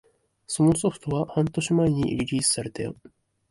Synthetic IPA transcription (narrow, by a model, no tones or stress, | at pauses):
so̞noso̞ɸɯ̥t̪o̞βahãnt̪o̞ɕimaeɲ̟ḭɾʲiɾʲiːsɨ̥saɾe̞t̪ejo̰